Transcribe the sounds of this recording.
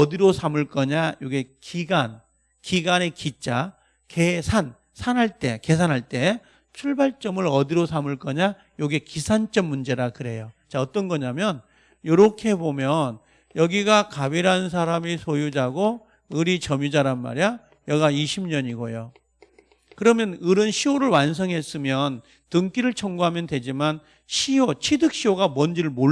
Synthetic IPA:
ʌdiɾosʰamɯɭk͈ʌɲajoɡekiɡan | kiɡanekit͡ɕ͈a | kesʰan | sʰanɦaɭt͈e̞ke̞s̬ʰanɦaɭt͈e̞ | t͡ɕʰuɭbaɭt͡ɕ͈ʌmɯɾʌdiɾosʰamɯɭk͈ʌɲa | joɡe̞kisʰant͡ɕ͈ʌmːund͡ʑe̞ɾakɯɾe̞jot͡ɕaʌt͈ʌnɡʌɲamjʌn | joɾʌkʰe̞bomjʌn | jʌɡiɡakabiɾaɯns̬ʰaɾamisʰojud͡ʑaɡo | ɯɾit͡ɕʌmjud͡ʑaɾanma̰ɾia | jʌɡaiɕʰimɲʌɲiɡojo | kɯɾʌmjʌnɯɾɯnɕʰioɾɯɭwans̬ʰʌŋɦe̞s͈ɯmjʌn | tɯŋk͈iɾɯɭt͡ɕʰʌŋɡuɦamjʌndwe̞d͡ʑiman | ɕʰiot͡ɕʰidɯk̚ɕ͈ioɡamwʌnd͡ʑiɾɯɭmo

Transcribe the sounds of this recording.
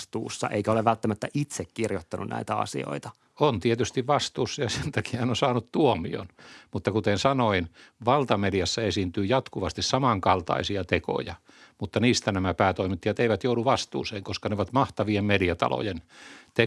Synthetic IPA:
st̪ṵːsːɑ̰ʔeikæoleʋælt̪ːæmæt̪ːæʔit̪sekkirjot̪ːɑnṵnʔæ̰it̪æɑ̰sḭo̰it̪ɑ̥ | ont̪iet̪yst̪iʋʋɑst̪uːsːɑjɑsent̪ɑki̥hænonsɑːnut̪t̪uomḭo̰nmut̪ːɑkut̪ensɑnoinʋɑlt̪ɑmeljæsːɑesint̪yːjɑt̪kuʋɑst̪issɑmɑŋkɑlt̪ɑ̰isiɑt̪eko̰jɑ | mut̪ːɑniːst̪ænæmæpæːt̪oimit̪ːiɑt̪eiʋæt̪jouduʋɑst̪ṵːseːŋkoskɑneoʋɑt̪mɑht̪ɑʋiemmeljæt̪ɑ̰lo̰jent̪e

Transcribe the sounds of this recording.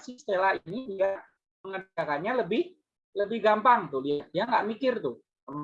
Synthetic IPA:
sist̪elainidiaʔ | məŋəakanɲaləbɪh | ləbɪhɡampaŋt̪uliɦat̪̚djaŋɡaʔmikɪrt̪ʊh | m

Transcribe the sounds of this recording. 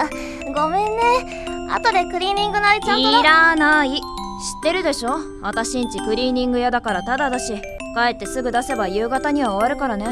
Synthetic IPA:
ɡo̞mẽ̞nːe | a̰t̪o̞d̪e̞kɯ̟ɾʲiːɲʲĩŋɡɯ̟naɾʲit͡ɕãiɾanai | ɕi̥t̪ːe̞ɾɯ̟d̪e̞ɕo̞ː | at̪aɕĩɲ̟t͡ɕikɯ̟ɾʲiːɲ̟ĩŋɡɯ̟jad̪akaɾat̪ad̪ad̪aɕi | kae̞t̪ːe̞sɨɡɯ̟d̪ase̞bajɯ̟ːɡat̪aɲ̟iβaoβaɾɯ̟kaɾane̞

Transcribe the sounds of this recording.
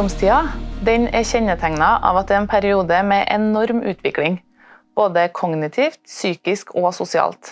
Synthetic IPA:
ɔmst̪ʰiːɑd̪ɛɲɛːçɛɲət̪ʰæŋnɑʔɑ̰ːʋɑt̪̚d̪ɛːeːnpʰæɾɪuːd̪əmɛːʔɛnɔɾmʉːt̪ʰʋɪklɪŋ | b̥oːd̪əkʰɔɡnɪt̪ʰiːft̪syːkɪskoːsʊsɪɑ̰ːlt̪

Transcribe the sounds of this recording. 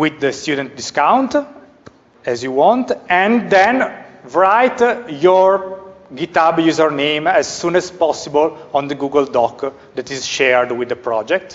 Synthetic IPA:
wid̪əst̪jud̪ɛ̃nt̪̚d̪iskãw̃nt̪ | ɛzjuwɔ̃nt̪ɛ̃nd̪ɛ̃nvɹajt̪jɔɹɡit̪abjuzəɹnẽjmɛzsũnɛzpɔsibəlɔ̃nd̪əɡuɡəld̪ɔk | d̪ɛt̪izʃɛɹd̪wid̪əpɾɔd͡ʒɛk̚t̪

